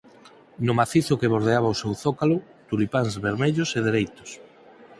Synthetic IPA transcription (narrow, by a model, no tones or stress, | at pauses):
nʊmaθiθʊkeβoɾð̞eaβaosewθokalʊ | t̪ulipanzβeɾmeʎʊseð̞eɾejt̪ʊ̥s